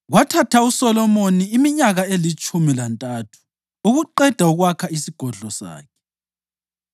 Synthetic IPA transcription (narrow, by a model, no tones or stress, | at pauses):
ɣwatʰatʰausɔlɔmoniːmiɲaɣaelit͡ʃʼumilantʼatʰu̥ | uɣuǃɛd̥ʱauɣwakʰaisiɡ̥ʱɔɮɔsa̰ːkʰɛ̥